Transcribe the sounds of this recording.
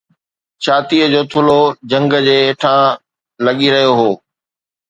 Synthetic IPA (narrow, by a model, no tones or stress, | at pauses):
t͡ɕʰaːt̪iəd͡ʑoːt̪ʰʊlod͡ʑɐ̃ŋɡə̆d͡ʑeːʈʰã | lɐɠiɾɐɦijoɦoː